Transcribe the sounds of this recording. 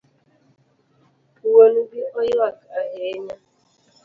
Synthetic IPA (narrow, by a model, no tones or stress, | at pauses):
uwonubiɔjoakaɦeɲa